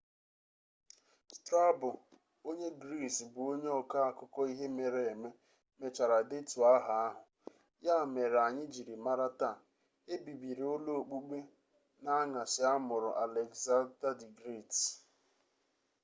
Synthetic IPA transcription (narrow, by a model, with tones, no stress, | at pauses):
tɾa˦bʊ˨ | o˦ɲe˦ɡɾi˦˨sbʊ˨o˦ɲe˦ɔ˨ka˦a˨kʊ˦kɔ˦i˦ɦe˦me˨ɾe˨e˨me˦ | me˨t͡ʃa˨ɾa˨dɪ˦tu˨a˦ɦa˨a˦ɦʊ˨ | ja˦˨me˨ɾa˨ɲɪ˦d͡ʒi˨ɾi˨ma˦ɾa˦ta˦˨ | e˦bi˨bi˨ɾo˦lo˦o˨k͡pu˦ɡ͡be˦ | na˦ŋa˨sɪ˨a˦mʊ˨ɾʊ̰˨ʔa˨le˨ɡza˦da˦di˨ɡɾi˦˨t